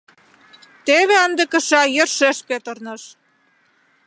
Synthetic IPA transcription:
t̪eβeɑnd̪ə̆kə̆ʃɑjə̆rʃeʃpet̪ərnɤ̆ʃ

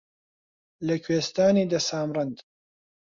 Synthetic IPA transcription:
lɐkʰweːst̪aːniːd̪ɐsaːmrɨnd̪

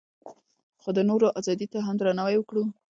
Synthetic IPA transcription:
xod̪ənoɾoʔazɑd̪it̪aɦamd̪ɾanawajwəkɽu

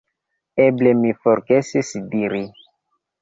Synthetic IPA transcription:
eblemifoɾɡesisdiɾi

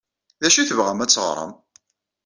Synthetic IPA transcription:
ðæʃiθəvʁæmæt͡sːəʁɾˤə̰m

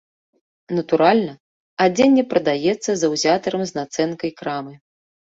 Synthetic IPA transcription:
nɐt̪uɾalʲnɐ | ad͡zʲɛnʲːɛpɾɐd̪ajɛt̪sːɐzɐwzʲat̪ɐɾɐmznat̪sɛnkɐjkɾamɨ

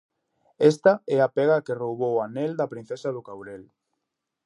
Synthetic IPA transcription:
ɛst̪aɛapeɣakerowβowanɛld̪ɐpɾin̟θesaðʊkawɾel

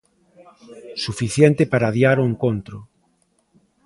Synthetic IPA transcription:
sufiθjɛnt̪ɪpaɾaðiaɾʊeŋkont̪ɾʊ

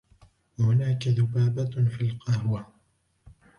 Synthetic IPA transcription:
wahʊnaːkaðʊbaːbafiːlqɑhwa

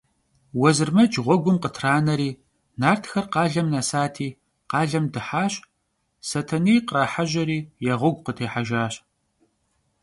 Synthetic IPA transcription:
wɐzɨrmɐd͡ʒʁʷɔɡʷʊmqətʰraːnɐɾiː | naːrtʰxɐrqɑːɮɐmnasaːtʰiː | qɑːɮɐmdɨħaːɕ | sɐtʰɐniːjqraːħaʒɐɾiːjɛʁʷʊɡʷqətʰeːħaʒaːɕʼ

